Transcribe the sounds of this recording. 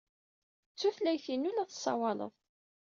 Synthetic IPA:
t͡sːuθlæjθinulæθəsˤːɑ̰wɑlə̰ðˤ

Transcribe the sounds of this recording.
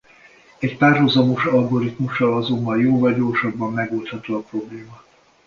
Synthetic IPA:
ɛcpaːrɦuzɒmoʃɒlɡo̞ɾit̪muʃːɒlɒzo̞mːɒljoːvɒlɟo̞ːrʃɒbːɒmːɛɡolt̪hɒt̪oːɒpro̞bleːmɒ

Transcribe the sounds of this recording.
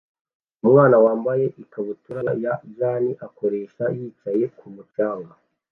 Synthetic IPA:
umŋaːnawaːmbaje̞ʔikaβutuɾajaʒaːniʔako̞ɾe̞ːʃajiːt͡ʃaje̞kʰumut͡ʃaːŋɡa

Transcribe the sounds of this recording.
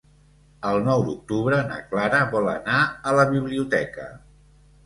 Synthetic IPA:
əlˠnɔwd̪uk̚t̪uβɾənə̰klaɾəβɔlə̰naələβiβliut̪ɛkə̰

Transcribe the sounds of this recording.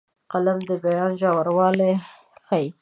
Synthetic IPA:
qalamd̪əbajɑnʒɑwaɾwɑle | xaji

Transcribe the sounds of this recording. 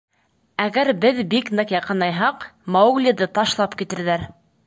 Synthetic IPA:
æɡæɾbɘðbiknɤqjɑqɤ̆nɑjɦɑqmawɡlʲid̪ɤt̪ɑʃlˠɑpkit̪ɘ̆ɾðæɾ

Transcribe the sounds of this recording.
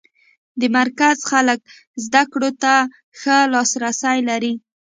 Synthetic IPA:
d̪əmaɾkazxalək̚ | zd̪akɽot̪a | xəlɑsɾasajlaɾi

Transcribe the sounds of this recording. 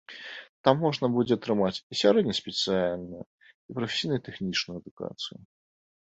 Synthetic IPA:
t̪amːɔʐnɐbud͡zʲɛt̪ɾɨmat͡sʲisʲaɾɛd̪nʲɐsʲpʲɛt̪sɨalʲnuju | ipɾɐfʲesʲijnɨjut̪ɛxnʲit͡ʂnujuɛd̪uka̰t̪sɨjṵ

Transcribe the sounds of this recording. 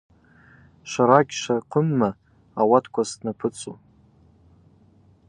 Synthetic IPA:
ʃʷaɾaɡʲʃʷaqʷʰʊmːa | awatʰkʷʰasnapʰɨt͡sʼṵ

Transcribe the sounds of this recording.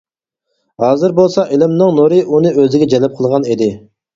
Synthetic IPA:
hɑːzɨɾbolˠsɑʔelɪmnɨŋnoɾɪʔunɨøzɪɡʲɛd͡ʒɛlɛp̚qʰəlˠʁɑnid̪ɪ

